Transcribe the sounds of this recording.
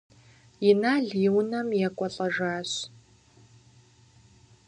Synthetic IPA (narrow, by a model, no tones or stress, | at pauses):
jɪnaːɮiːwnɐmjɛkʷʼɔɬʼɐʒaːɕ